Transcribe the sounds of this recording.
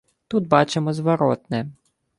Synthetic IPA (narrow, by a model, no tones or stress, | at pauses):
t̪ud̪̚bɑt͡ʃɪmɔzʋɐɾɔt̪nɛ